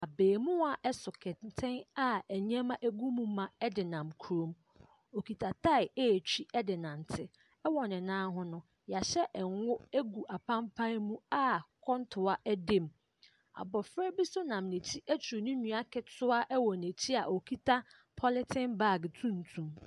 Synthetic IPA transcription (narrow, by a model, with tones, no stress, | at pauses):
a˨beː˨mũ˦a˨ʔɛ˦sʊ˨kʰɛ˨tʰɪ̃˦na˨æ˨ɲ˦ɛ̃˦mã˦ʔe˦ɡu˦mũ˦mã˨ɛ˦dɪ˨nã˨mkʰu˨ɾõ˨m | o˨kʰi˨tʰa˨tʰa˦ɪ˨e˦˨t͡ɕʰᶣi˦ɛ˦dɪ˨nã˨n˨tʰɪ˦ | ɛ˦wɔ˨nɪ̃˨nãː˦ɦʊ̃˦nʊ̃˦ | ja˨ɕɛ˦ʔɛ˨ŋ˦wʊ˦e˦ɡu˨ʔa˨pʰã˦mpʰã˦mũ˦a˦kʰɔ̃˦ntʰʊ˨a˦ʔɛ˦dẽ˦˨m | a̰˨bɔ˨fɾɛ˦bi˦sʊ˦nã˨mnẽ˨tʰi˦ʔæ˦t͡ɕʰu˨nʊ̃˦nũ˨a˦kʰɛ˨tʰʊ˦a˦ʔɛ˦wɔ˨ne˨tʰi˦a˨ʔo˨kʰi˦tʰa˦ | pʰɔ˦lɪ˦tʰɪ̃˦nba˦˨ɡtʰũ˦n̩˨tʰũ˨m